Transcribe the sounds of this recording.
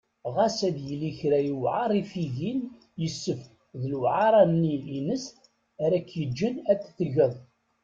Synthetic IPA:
ʁæsæðjəlːiçɾæjəwʕɑɾˤifiʝin | jəsːəf | ðəlwʕɑɾˤɑnːiːnəs | æɾækːjəd͡ʒːənæt̪ːθəʝəðˤ

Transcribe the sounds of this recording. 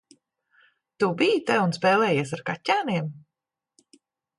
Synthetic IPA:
t̪ubijt̪ɛunspɛːlɛːjeɛsaɾkatʲːaːniɛm

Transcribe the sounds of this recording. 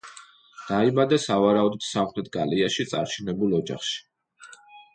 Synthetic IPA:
d̪̥aibad̪ɛsavaɾaud̪ɔd̪̥samχɾɛt̪̚ʰɡaliaʃit̪sʼa̰ɾt͡ʃʰɛnɛbulˠɔd͡ʒa̰χʃi̥

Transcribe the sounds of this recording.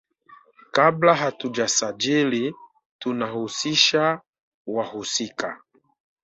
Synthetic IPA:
kablaɦatud͡ʒasad͡ʒili | tunahusiʃa | wahusika

